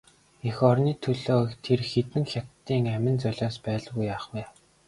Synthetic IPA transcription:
exɔrniːt̪ʰɵɮoːt̪ʰerxet̪ɘ̆ŋxʲat̪ːiːŋæmɪ̆nt͡sœɮʲɔːspæːɮɣujːaːχwæː

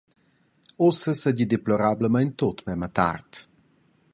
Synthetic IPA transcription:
osəsəɟid̪eplɔɾabləmajnt̪ot̪mɛmat̪a̰rt̪

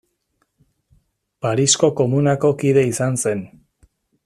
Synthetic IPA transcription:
paɾisko̞ko̞munako̞kiðe̞isanse̞n

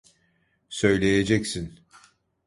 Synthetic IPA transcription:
sø̞jlʲejed͡ʒɛcsin

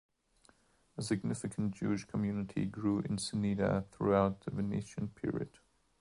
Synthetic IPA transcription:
əsɨɡnɪfɨkʰə̃nd̥ʒ̥ʉɪʃkʰəmjʉnɨtʰḭɡɹuːʔɪ̃nsɨniɾə̰θɹuaʊt̪̚ðəvɨnḭʃə̃npʰɪ̰ɹḭɨ̰d̥

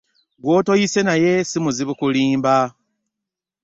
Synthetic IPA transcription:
ɡwoːto̞jise̞naje̞simuziβukuliːmba

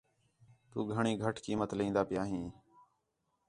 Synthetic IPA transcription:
t̪uːɡʱəɳiːɡʱəʈʰkiːmət̪lĩːnd̪aːpɪjaːɦĩː

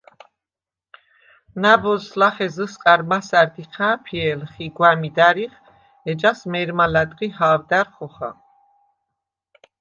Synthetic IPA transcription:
nabɔslaχɛzəsqʼaɾmasaɾd̪iqʰaːpʰiɛlχiɡwamid̪aɾiχ | ɛd͡ʒasmɛɾmalad̪ʁihaːvd̪aɾχɔχa̰

